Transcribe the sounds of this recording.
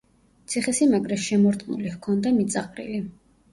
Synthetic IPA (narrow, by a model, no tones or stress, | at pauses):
t̪sʰiχɛsimaɡɾɛʃɛmɔɾt̪ʼnṵlihkʰɔnd̪amit̪sʼaqʼɾḭli